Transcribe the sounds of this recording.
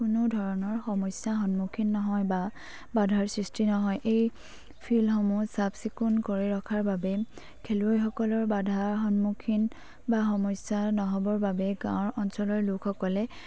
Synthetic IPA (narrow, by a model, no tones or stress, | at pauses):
kunʊdʱɔɹɔnɔɹxɔmɔsaxɔnmukʰinːɔɦɔjba | badʱaɹsɹistinɔɦɔjʔej | pʰilxɔmusabsikunkoɹiɹɔkʰaɹbabɛ | kʰeluojxɔkɔlɔɹbadʱaɹxɔnmukʰin | baxɔmɔjsanɔɦɔbɔɹbabɛɡã̰ɹɔnsɔlɔɹlukʰxɔkɔlɛ